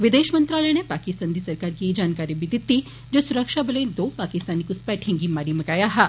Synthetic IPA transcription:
ʋɪd̪eːʃmə̃nt̪ɾaːlənepaːkɪst̪ãːnd̪isɐɾkaːɾkied͡ʒaːnkaːɾibid̪ɪt̪ːi | d͡ʒoːsʊɾəkʃabəlẽd̪oːpaːkɪst̪aːnikuspɛːʈʰẽŋɡimaːɾimɐkaːjaɦa

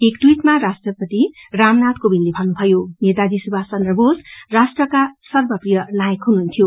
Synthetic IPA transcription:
ekʈwiʈmarasʈrʌpʌt̪iramnat̪kobinlibʱʌnːubʱʌjonet̪ad̪isubʱasʌnrʌbosrasʈrʌkasʌrbʌprijʌnajʌkɦunɦunt̪ʰijo

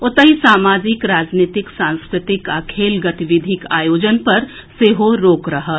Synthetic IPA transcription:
ʊt̪əɦisaːmaːd͡ʒɪkɾaːd͡ʒniːt̪ɪksãːnskɾɪt̪ɪkɐkʰeːlɡɐt̪ʋɪd̪ʱɪka̰ːjoːd͡ʒənpɐɾ | seːɦoɾoːkɾɐɦə

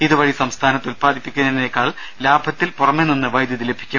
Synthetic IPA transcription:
iðuʋɐɻisɐmst̪ʰaːnɐt̪ːulpaːðipːikʲːunːɐðinekːaːɭ | laːbʱɐt̪ːilpurɐmːeninːɨʋɐjd̪jɐðile̞bʱi̥kʲːum

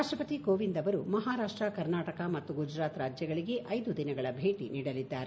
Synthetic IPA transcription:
aʂʈɾɐpɐt̪ikoːʋind̪ɐʋɐɾumɐɦaːɾaːʂʈɾɐkɐɾnaːʈɐkɐmɐt̪ːuɡud͡ʒɾaːt̪ɾaːd͡ʒjɐɡɐɭiɡe̞ʔɐjd̪ud̪inɐɡɐɭɐbʱeːʈiniːɽɐlid̪ːaːɾe

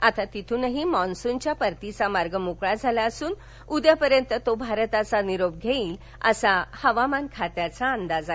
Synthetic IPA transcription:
at̪at̪it̪ʰuːnəɦimɔ̃nsunt͡ɕjapəɾt̪it͡samaɾɡəmukɭad͡zʱalaəsuːn | ud̪japəɾjənt̪ət̪obʱaɾət̪at͡saniɾob̚ɡʱeiːl | ə̰sahəʋamankʰat̪jat͡saənd̪ad͡za

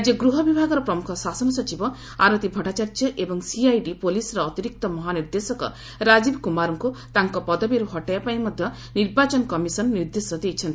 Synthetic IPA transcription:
d͡ʒɔɡɾuɦɔbibʱaɡɔɾɔpɾɔmukʰɔsasɔnɔsɔt͡ʃibɔ | a̰ɾɔt̪ibʱɔʈat͡ʃaɾd͡ʒɔʔebɔŋsiajɖipolisɔɾɔːt̪iɾik̚t̪ɔmɔɦaniɾd̪esɔkɔ̰ | ɾad͡ʒibkumaɾɔŋkut̪aŋkɔpɔd̪ɔbiɾuɦɔʈajapaj̃mɔd̪ʱjɔ | niɾbat͡ʃɔnkɔmisɔnːiɾd̪esɔd̪ejt͡ʃʰɔnt̪i

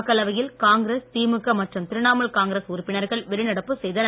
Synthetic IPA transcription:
kːɐlɐʋɐjɪlkaːŋɡɪɾest̪iːmɯkːɐmɐʈrɯmt̪ɪɾɯɳaːmɐɭkaːŋɡɾesʊɾʊpːɪnɐɾɣɐɭʋɛɾɯnɐɽɐpːɯsɛjðɐn

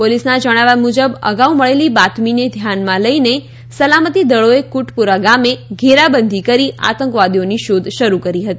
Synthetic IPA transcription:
polisnad͡ʒəɽ̃aʋamud͡ʒəbə̰ɡauməɭelibat̪mined̪ʱjanmãləine | səlamət̪id̪əɭoekuʈpuɾaɡameɡʱeɾabənd̪ʱikəɾia̰t̪əŋkʋad̪ioniʃod̪ʱʃəɾukəɾiɦət̪i

